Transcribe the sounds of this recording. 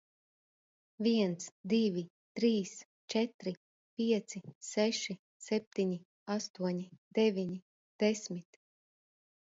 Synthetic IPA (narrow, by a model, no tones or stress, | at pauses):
viɛnt̪sd̪ivʲi | t̪ɾiːs | t͡ʃɛt̪ɾi | pʲiɛt̪sisɛʃi | sɛp̚t̪iɲi | ast̪uɔɲid̪̥ɛvʲiɲi | d̪̥ɛsmit̪